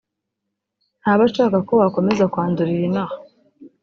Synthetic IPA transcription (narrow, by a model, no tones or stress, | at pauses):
n̥haβat͡ʃaːkako̞wako̞me̞zakwaːnduɾiɾinaha